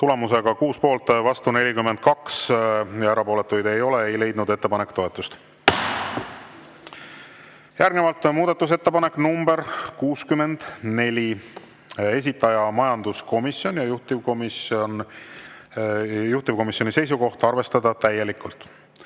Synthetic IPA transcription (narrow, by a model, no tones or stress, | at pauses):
t̪ule̞mus̬e̞ɡ̥ɑkuːspo̞ːlt̪vɑst̪une̞lʲikymːe̞nd̪̥̚kɑksjɑæɾɑpo̞ːle̞t̪ːˑujd̪e̞jo̞leejle̞jd̪nud̪e̞t̪ːepɑnekːt̪o̞et̪ːˑust̪ | jærɡnevɑlt̪ˑmuːd̪ɑt̪ːˑus̬e̞t̪ːe̞pɑnekːˑnumbe̞ɾkuːskymːe̞nd̪̥ne̞lʲi | e̞s̬ʲit̪ːˑɑjɑmɑjɑnd̪̥usko̞misjo̞njɑjuht̪ivkomisn | juht̪ivko̞misjo̞nʲise̞js̬uko̞ht̪ɑrve̞st̪ɑd̪ɑt̪æjːe̞likːult̪ˑ